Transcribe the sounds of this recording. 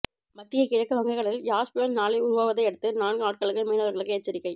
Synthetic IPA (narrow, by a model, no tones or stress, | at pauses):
mɐt̪ːɪjɐɪkɪɻɐkːɯʋɐŋɡɐɪɣɐɭɪljaːʂpɪjɐɾnaːɭɐɪʊɾʊʋaːʋɐðɐɪɛɽɯt̪ːɯnaːnɡɯaːʈ̚kɐɭɣɐɭmeːnɐʋɐɾɣɐɭɐkːɯɛt͡ʃːɐɾɪkːɐɪ